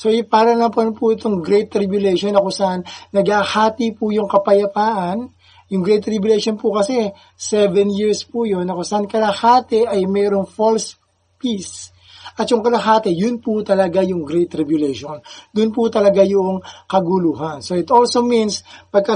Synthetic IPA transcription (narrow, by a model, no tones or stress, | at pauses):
so̞ɪpaːɾɐnlɐamponpʊɪt̪oŋɡɾɛjt̪ːɾibjʊlɛjʃonɐkosɐʔanːɐɡahaːt̪ipujʊŋkɐpɐjɐpaːʔɐn | jʊŋɡɾɛjt̪ːɾibjʊlɛjʃonpʊkɐsɛ | sɛvɛnjiɹspujo̞nɐkosɐʔankɐlɐhaːt̪ɛʔɐjmɛːɾo̞ŋfols | pis | ʔɐt̪̚jʊŋkɐlɐhaːt̪ɛjʊnpʊt̪ɐlɐɡajʊŋɡɾɛjt̪ːɾɪbjʊlɛjʃond̪ʊnpʊt̪ɐlɐɡajʊʔoŋkɐɡuluːɦɐnsoɪt̪o̞lsominspɐɡ̚kɐ